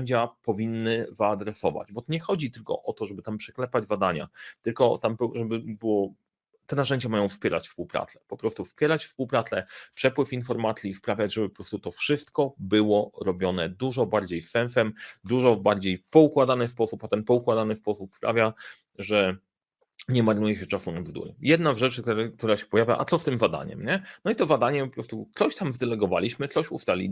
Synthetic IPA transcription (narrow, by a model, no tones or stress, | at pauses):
ɲd͡ʑapɔvʲinːɘzaːd̪ɾɛsɔva̰d͡ʑbɔt̪ɔɲɛxɔd͡ʑit̪ɘlkɔ̰ʔɔt̪ɔʐɛbɘt̪ampʂɛ̥klɛpad͡ʑzad̪aɲa̰t̪ɘlkɔt̪ampʐɛbɘbɘwɔ | t̪ɛnaʐɛɲd͡ʑamajɔ̃w̃fspʲjɛɾat͡ɕfspuwpɾa̰t̪sɛ̥pɔpɾɔst̪ufspʲjɛɾat͡ɕfspuwpɾat̪sɛpʂɛpwɘfinfɔɾmat̪sʲjispɾavʲjad͡ʑʐɛbɘpɔ̥pɾɔst̪ut̪ɔfʂɘst̪kɔbɘwɔɾɔbʲjɔnɛd̪uʐɔbaɾd͡ʑejsɛnsɛmd̪uʐɔvbaɾd͡ʑejpɔukwad̪anɘspɔsupat̪ɛnpɔukwad̪anɘspɔsupspɾa̰vʲja | ʐɛ | ɲɛmaɾnujɛɕɛt͡ʂasunab̪zd̪ṵɾɛ̰mjɛd̪nazʐɛt͡ʂɘkt̪ɾk̚t̪uɾaɕɛ̥pɔjavʲja̰ʔa̰t̪sɔst̪ɘmzad̪a̰ɲɛ̰mɲɛnɔit̪ɔzad̪aɲɛpɔpɾɔst̪ut̪sɔɕt̪amzd̪ɛlɛɡɔva̰lʲiɕmɘt̪sɔɕṵst̪alʲḭ